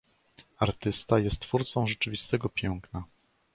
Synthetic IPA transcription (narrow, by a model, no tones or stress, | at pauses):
aɾt̪ɘst̪ajɛst̪t̪ːfuɾt̪sɔ̃w̃ʐɛt͡ʂɘvʲist̪ɛɡɔpʲjɛŋkna